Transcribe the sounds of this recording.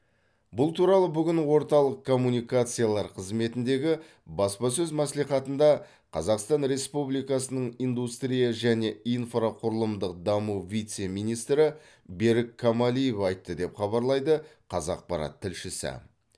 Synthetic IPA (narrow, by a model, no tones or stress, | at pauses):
bʊlˠt̪ʰuɾɑlˠəbʏɡʲɪnwo̞ɾt̪ɑlˠəq̚kʰːo̞mːunijkat̪sɨjalˠɑɾqʰəzme̞t̪ɪnd̪e̞ɡʲɪ | bɑspɑsɵzmæsliχɑt̪ənd̪ɑ | qʰɑ̰zɑqst̪ɑnɾe̞spublijkɑsənəɴijnd̪ust̪ɾijaʒæne̞ijnfraqʰʊɾəlˠəmd̪əqd̪ɑmuvʲit̪se̞mijnijst̪ɾɪ | be̞ɾɪkʰːamalʲijefɑjt̪ːəd̪e̞pχɑβɑɾlˠɑjd̪əqʰɑzɑq̚pɑɾɑ̰t̪ʰːɪlʃɪsɪ̰